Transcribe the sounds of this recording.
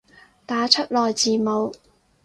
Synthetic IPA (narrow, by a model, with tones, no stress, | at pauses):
t̪aː˨˥t͡ʃʰɵ˥t̚lɔː˨jt͡siː˨mo˨˧w